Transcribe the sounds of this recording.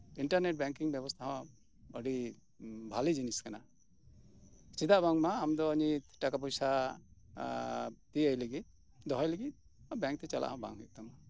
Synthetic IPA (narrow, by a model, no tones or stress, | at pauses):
iɳʈaɾneʈ̚bɛŋkiŋbjɛbɔst̪ʰaɦɔ̃ | əɖi | bʱalid͡ʒiniskana̰ | t͡ʃid̪aʔbaŋmaːmd̪ɔːɲit̪ʈakap̬ɔjsa | t̪iəjləɡit̪̚ | d̪ɔɦɔjliɡit̪̚ˀ | abɛŋk̚t̪ɛt͡ʃala̰ʔɦɔ̃ba̰ŋɦɛʔ̚t̪ama